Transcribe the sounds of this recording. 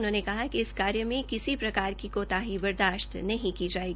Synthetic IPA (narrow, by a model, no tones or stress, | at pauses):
ʊnɦõːnekɐɦakiɪskaːɾjəmẽkɪsipɾɐkaːɾkikoːt̪aɦibɐɾd̪aːʃt̪nɐɦĩkid͡ʒaːeɡii